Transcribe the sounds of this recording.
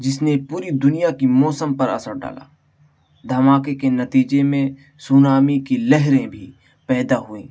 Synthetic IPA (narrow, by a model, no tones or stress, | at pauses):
d͡ʒɪsnepuːɾid̪ʊnijakimɔːsəmpɐɾɐ̰səɾɖa̰ːla̰ː | d̪ʱɐmaːkekenɐt̪iːd͡ʒemẽ | sunaːmikilɛɦɾẽbʱi | pɛːd̪aɦʊḛ̃ː